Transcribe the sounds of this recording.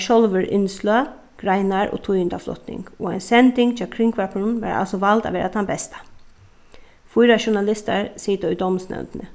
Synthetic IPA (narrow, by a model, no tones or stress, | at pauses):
ʃɔlʋəɹʔɪ̰nslː | ɡ̥ɾaɪnaɹʔo̰ːt̪ʰʊjɪnd̪aflɔ̰t̪nɪ̰ŋɡoːaɪnsɛnt̪ɪŋɡt͡ʃʰɛlkʰɾɪŋkʋapnʋa̰ɾa̰lsɔʋalt̪a̰ʋeːɾʔat̪ʰambɛst̪ḁ | fʊjɾaʃʊɳalɪst̪a̰ɹsiːt̪ʊjd̪ɔmsnɛ̰wnt̪nə